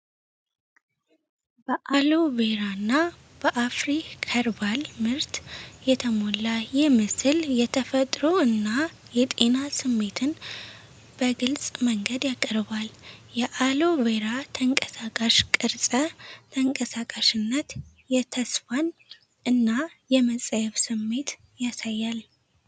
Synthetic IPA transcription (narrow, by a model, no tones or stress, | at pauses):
bəʔaloβe̞ɾanːa | b̥əʔafɾikʰəɾbalmɨɾt̪jɛt̪ʰəmolːajɪhmɨsɨljɛt̪ʰəfət̪ʼɾo̞ɨnːa | jɛt̪ʼe̞nasɨmːe̞t̪ʰɨn | b̥əɡɨlsʼməŋɡəd̪jakʼːəɾbaljɛʔalo̞βeɾat̪ʰəŋkʼəsakʼaʃkʼɨɾsʼət̪ʰəŋkʼəsakʼaʃɪnːət̪ | jɛt̪ʰəsfan | ɨnːajɛməsʼəjɛβsɨmːe̞t̪ | jasajːal